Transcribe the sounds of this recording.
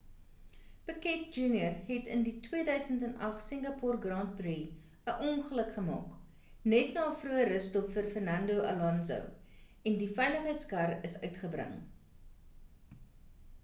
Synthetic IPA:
pəkɛt̚d͡ʒuːnjərɦɛtənditwiədœɥsəntɛnɐχsəŋɡɐpɔrɡrɑnt̚bri | əʔɔŋχələkχəmɑ̰ːk | nɛtnɑːfruəɾəstɔpfərfərnɐndoʔɐ̰lɐnzo̰w | ɛndifɛjləχəjtskɐrəsœɥtχəbrə̰ŋ

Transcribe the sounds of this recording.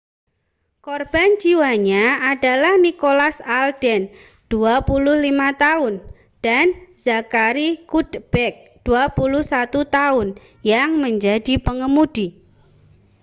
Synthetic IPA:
kɔrb̥and͡ʒiwaɲaada̤lahnikolasald̥ɛn | d̥uapulʊhlimat̪aʊn | d̥anz̥akaɾikud̪b̥ɛk̚ | d̥uapulʊhsat̪ut̪aʊn | jaŋməɲd͡ʒad̥i̤pəŋəmud̥i

